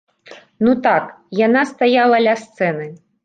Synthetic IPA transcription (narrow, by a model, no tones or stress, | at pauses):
nut̪akjanast̪ajalˠɐlʲast̪sɛnɨ